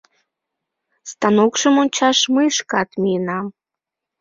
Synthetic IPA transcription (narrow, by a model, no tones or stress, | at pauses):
st̪ɑnokʃəmonʲt͡ɕɑʃməjʃkɑt̪miənɑm